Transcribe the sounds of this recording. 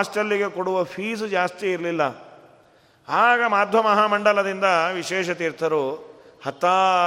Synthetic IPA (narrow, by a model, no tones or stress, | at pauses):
sʈɐlːiɡe̞koɽuʋɐpʰiːsd͡ʒaːst̪iːɾlilːɐ | aːɡɐmaːd̪ʱʋɐmɐɦaːmɐɳɖɐlɐd̪ind̪ɐʋiʃɛːʃɐt̪iːɾt̪ʰɐɾoː | hɐt̪ːaː